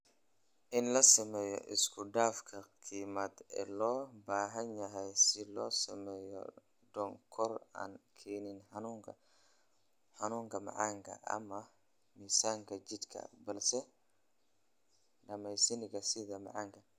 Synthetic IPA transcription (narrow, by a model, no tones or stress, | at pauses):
ʔɪnlɐsɐmɛːjɔ̰ʔɪskʰʊɖaːfkʰɐkʰiːmɐd̪ɛ̰ːlɔːbaːɦɐnjɐɦɛjsɪlɔːsɐmɛːjɔ̰ | ɖɔŋkʰɔra̰ːnkʰɛːnɪnnuːŋʰɐ | ħɑnuːŋkʰɐmɑ̰ʕɑːŋkʰɐ̰ʔɐ̰mɐ | miːsaːŋkʰɐt͡ʃɪd̪kʰɐ̰bɐlsɛ | ɖɐmɛjsɐnɪɣɐsɪðɐmɑ̰ʕɑːŋkʰɐ